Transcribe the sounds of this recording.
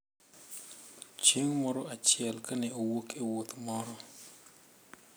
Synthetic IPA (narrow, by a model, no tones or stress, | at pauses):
t͡ʃeŋmɔɾɔat͡ʃɪɛlkaneowokʰewot̪mɔɾɔ